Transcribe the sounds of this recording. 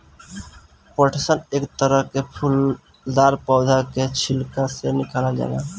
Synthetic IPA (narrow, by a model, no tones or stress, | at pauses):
pəʈʰesənekt̪əɾəɦkepʰul | d̪aɾpɔʊd̪ʱaket͡ʃʰilkasenikʰalad͡ʒa̰la̰